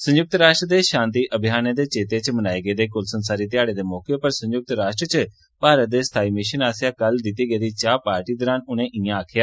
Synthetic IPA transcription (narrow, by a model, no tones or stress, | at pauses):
sə̃ɲjʊk̚t̪ɾaːʃʈɾəd̪eːʃãːnt̪iːʔəbʱjaːnẽd̪eːt͡ʃeːt̪et͡ʃmənaːiɡeːd̪eːkʊlsənsaːɾiːt̪ɪjaːɽeːd̪eːmɔːkepəɾsə̃ɲjʊk̚t̪ɾaːʃʈɾət͡ʃə | paːɾət̪̚d̪eːst̪ʰaːiːmɪʃənaːsjaːkəld̪ɪt̪iːɡeːd̪iːt͡ʃaːpaːɾʈiːd̪əːɾaːnʊñẽːʔɪãaːkʰɪjaː